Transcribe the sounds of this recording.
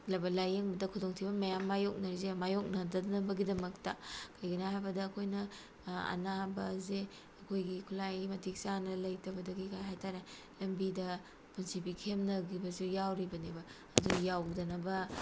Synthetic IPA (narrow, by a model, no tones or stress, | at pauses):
lɐbɐlajeŋbɐdɐkʰudoŋtʰibɐmɐjamːajok̚nɐɾizemajok̚nɐdɐdnɐbɐɡidɐmɐk̚tɐkʰɐjɡɐnaɦajbɐdɐːkʰojnɐ | ɐ̰nabɐze | ɐkʰojɡikʰulajmɐtʰik̚sanɐlɐjtɐbɐdɐɡikʰajɦajtaɾe | lɐmbidɐ | punsipikʰemnɐɡibɐsujawɾibɐnibɐ | ɐdujawdɐnɐbɐ